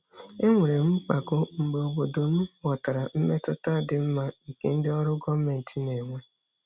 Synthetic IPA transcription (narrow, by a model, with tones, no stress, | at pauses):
e˦ŋʷe˨ɾe˨m̩˦k͡pa˨kʊ˦ŋ͡m̩˨ɡ͡be˨o˨bo˨do˨m̩˦wɔ˨ta˨ɾa˨m̩˦me˦tʊ˦ta˦˨dɪ˨m̩˦ma˦ŋ̩˨ke˦n̩˦dɪ˦ɔ˦ɾʊ˦ɡɔ˦m̩˦me˨n̩˨ti˦ne˨ŋʷe˦